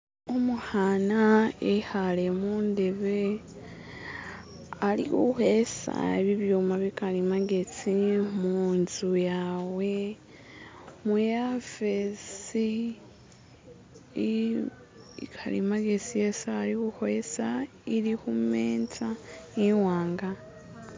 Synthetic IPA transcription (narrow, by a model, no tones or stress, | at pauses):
omuhanaehalemuːnde̞βe | alḭkuhesa̰eβiβjuːmaβikalimaɡe̞t͡simunzujaːwe̞ | mujafesi | ḭkʰalḭmaɡet͡sijesaːɾikuhoesa | iɾihumeːnt͡saiwaːŋɡa